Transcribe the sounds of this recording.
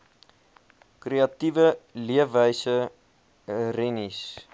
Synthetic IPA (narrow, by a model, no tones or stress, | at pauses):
kreɐtivəliəfəjsə | rɛnis